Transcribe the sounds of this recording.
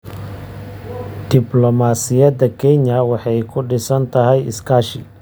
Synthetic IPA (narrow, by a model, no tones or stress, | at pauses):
d̪̥ɪblɔmaːsɪjɐd̪ɐkʰɛɲɐwɑħɑjkʰʊɖɪsɐnt̪ʰɐɦɛjɪskʰaːʃɪ